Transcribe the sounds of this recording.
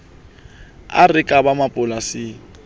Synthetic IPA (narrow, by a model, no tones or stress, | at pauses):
a̰rɪkʼabamapʼʊlasɪ